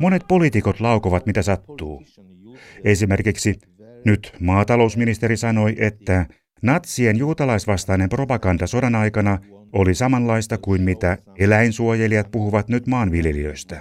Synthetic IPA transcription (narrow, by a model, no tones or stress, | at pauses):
mo̞ne̞t̪̚po̞liːt̪iko̞t̪lɑukoʋɑt̪mit̪æsɑt̪ːuː | esimerkiksi | nyt̪mɑːt̪ɑlo̞usminist̪e̞ɾisɑno̞jʔe̞t̪ːæ | nɑt̪sienjuːt̪ɑlɑisʋɑst̪ɑinempro̞pɑkɑnd̪ɑso̞dɑnɑjkɑnɑolisɑmɑnlɑist̪ɑkuinmit̪æ | elæinsuojeliɑt̪̚puhuʋɑt̪nyt̪mɑːnʋiljeliø̰ist̪æ